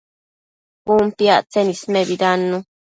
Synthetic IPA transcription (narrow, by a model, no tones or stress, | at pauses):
umpiaʔt͡senismeβid̪anːu